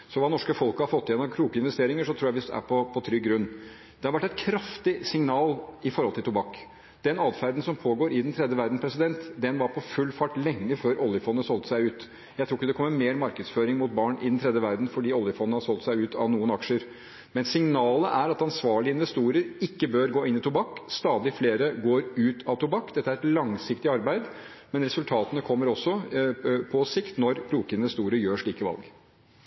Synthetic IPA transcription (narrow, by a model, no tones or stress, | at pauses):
sɔʋɑːnɔʂkəfɔlkəhɑɾfɔt̪ːɪeːnɑʋkʰɾuːkəɪnʋɛst̪eːɾɪŋəʂɔt̪ʰɾuːjæʋɪsd̪ɛ̰æ̰ɾpʰɔpʰɔt̪ʰɾʏɡːɾʉnː | d̪̥ɛhɑɾʋæʈːɛɪt̪̚kʰɾɑft̪ɪsɪŋnɑːlɪfɔɾhɔlt̪ʰɪlt̪ʊbɑkː | d̪̥ɛnɑːd̪fæɾd̪n̩sɔmpʰoːɡoːɾɪd̪nt̪ʰɾɛd̪jəʋæɾd̪n̩pʰɾɛsɪd̪ɛnt̪d̪ɛnʋɑɾpʰɔfʉlːfɑʈːlɛŋːəføːɾɔlːjəfɔnːəsɔlt̪əsæɪʉːt̪ | jæɪt̪ʰɾuːɪkːəd̪ɛkʰɔmːəmeːɾmɑɾkəd̪sføːɾɪŋmʊt̪̚bɑɳʔɪ̰d̪nt̪ʰɾɛd̪jəʋæɾd̪n̩fɔɖiːɔljəfɔnnəhɑɾsɔlt̪sæɪʉːt̪ɑ̰ʋnuːənɑkʂəɾ | mɛnsɪŋnɑːləʔæɾɑt̪ɑnsʋɑːɭɪəɪnʋɛst̪uːɾəɾɪkːəbøːɾɡoːɪnːɪt̪ʊbɑkːst̪ɑːd̪ɪfleːɾəɡoːɾʉːt̪ʰɑʋt̪ʊbɑkːd̪ɛt̪ːæɾɛt̪lɑŋsɪkt̪ɪɑɾbæɪd̪ | mɛnɾɛsʉlt̪ʰɑːt̪ənəkʰɔmːəɾɔsːɔ | pʰɔsɪkt̪nɔɾpʰɾuːkəɪnʋɛst̪uːɾəɾjøːʂɭiːkəʋɑ̰lɡ